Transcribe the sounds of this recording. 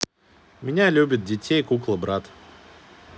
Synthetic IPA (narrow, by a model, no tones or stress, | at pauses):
mʲɪnʲalʲubʲɪt̪̚dʲɪtʲejkuklˠəbɾat̪